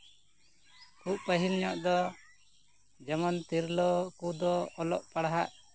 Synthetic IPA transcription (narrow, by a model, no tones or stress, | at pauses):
kuʔpəɦilɲɔʔd̪ɔ | d͡ʒɛmɔnt̪iɾlɔkud̪ɔɔlɔʔpaɽɦa̰ʔ